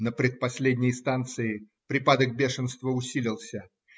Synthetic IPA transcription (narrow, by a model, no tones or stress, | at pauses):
nəpɾʲɪt̪̚pɐsʲlʲedʲnʲɪjst̪ant̪sɨɪ | pɾʲɪpad̪ək̚bʲeʂɨnst̪vəʊsʲilʲɪlˠsʲə